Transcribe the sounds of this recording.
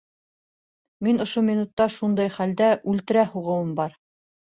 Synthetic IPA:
minŏʃumʲinut̪ːɑʃund̪ɑjχæld̪æʔʉlt̪ɘ̆ɾæhuʁɤ̆wɤmbɑɾ

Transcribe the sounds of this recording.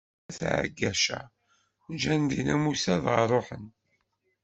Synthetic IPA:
θʕ̰ɡːæʃæ̰ | d͡ʒænd̪inæmusæðʁərˤoħən

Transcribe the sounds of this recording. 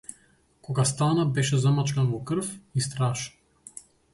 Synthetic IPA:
kɔɡast̪anabɛʃɛzamat͡ʃkanvɔkr̩fist̪ɾaʃ

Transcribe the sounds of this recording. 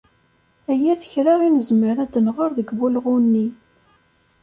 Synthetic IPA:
æjæθə̥çɾaʁinəzməɾæd̪ənʁəɾðəɡvulʁunːi

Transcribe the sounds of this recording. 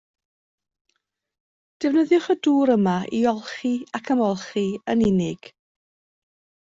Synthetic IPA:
d̥ɛvnəðjʊχəduːɾəmaʔiɔlˠχiakʰəmɔlˠχiənɪnɪɡ̥

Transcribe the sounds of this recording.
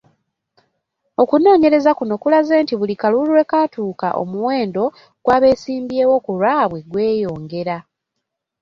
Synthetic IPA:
o̞kuno̞ːɲe̞ɾe̞zakuno̞kulazeːntiβulikaluluwe̞katuːka̰ʔo̰muwe̞ːndo̞ | ɡ̥waːβe̞ːsiːmbjeːwo̞kuɾwaːβwe̞ɡwe̞ːjo̞ːŋɡe̞ɾa

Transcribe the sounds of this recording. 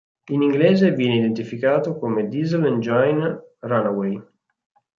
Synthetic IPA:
iniŋɡleɛːzevjɛːneid̪ent̪ifikaːt̪okomed̪izlend͡ʒajnranawej

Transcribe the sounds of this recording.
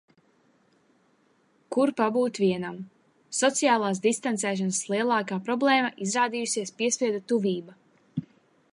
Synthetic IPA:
kuɾpabuːt̪viɛnam | sɔt̪sijaːlˠaːsd̪ist̪ant̪sɛːʃ̬ɔnslˠiɛlˠaːkaːpɾɔblˠeːmaʔizɾaːd̪iːjusiɛspiɛspʲiɛd̪ut̪uviːba

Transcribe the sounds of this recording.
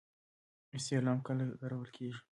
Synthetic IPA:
ɪst̪elɑmkəlaɡ̪aɾawəlkʰeʒi̥

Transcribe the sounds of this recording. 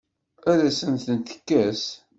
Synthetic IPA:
æðæsənt̪ənt̪ə̥kːæs

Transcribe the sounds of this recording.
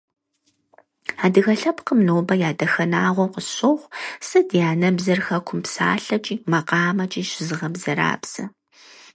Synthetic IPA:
aːdɨɣɐɬɐpqəmnoːbɐjaːdɐxɐnaːʁʷɔqəɕoχʷsɨdjaːnɐbzɐrxɐkʷʰʊmpsa̰ːɬɐt͡ʃʼiːmɐqɑːmɐt͡ʃʼiːɕɪzɨʁɐbzɐɾa̰ːpsɐ

